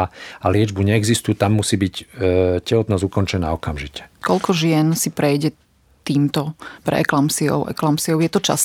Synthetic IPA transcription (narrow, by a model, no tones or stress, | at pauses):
alɪɛd͡ʒbuɲɛɛɡzist̪ujut̪amːusiːbiccɛɦɔd̪naːzukɔnt͡ʃɛna̰ːɔkamʒicɛ̥kɔʎkɔʒɪɛnsipɾɛjɟɛ | t̪iːmt̪ɔpɾɛ̰ɛ̰klamsiɔ̰ʊʔɛ̰klamsiɔʊjɛt̪ɔt͡ʃa̰s